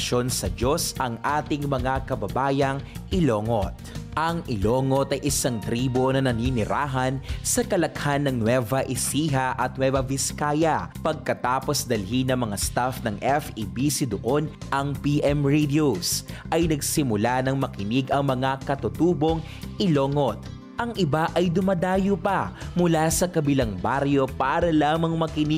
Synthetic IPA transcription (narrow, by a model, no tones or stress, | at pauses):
ʃo̞nsɐd͡ʒosʔɐŋʔaːt̪ɪŋmɐŋakɐbɐbaːjɐŋʔɪloːŋot̪̚ʔɐŋʔɪloːŋot̪ɐjʔɪsaŋt̪ɾiːbo̞nɐnɐninɪɾaːɦɐnsɐkɐlɐkhanːɐŋnwɛvɐʔɪsiːɦɐʔɐt̪̚nwɛvɐvɪskaːjɐpɐɡ̚kɐt̪aːpo̞sd̪ɐlɦinɐmɐŋast̪afnɐŋʔɛfibisɪd̪ʊʔo̞nʔɐŋpiʔɛmɹid̪ɪosʔɐjnɐɡsɪmʊlanɐŋmɐkɪnɪɡɐŋmɐŋakɐt̪ʊt̪uːbo̞ŋ | ʔɪloːŋot̪̚ | ʔɐŋʔɪbaʔɐjd̪ʊmɐd̪aːjopɐmʊlasɐkɐbɪlaŋbaɾjo̞paːɾɐlaːmɐŋmɐkɪnɪ